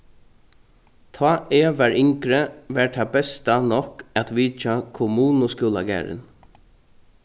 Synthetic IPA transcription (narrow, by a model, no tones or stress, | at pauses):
t̪ʰɑːeːʋæɹɪŋkɾəʋɛːɹʈ̪ʰabɛst̪anɔkat̪ʋiːt͡ʃakʰʊmuːnʊskula̰ɡæ̰ːɹɪ̰n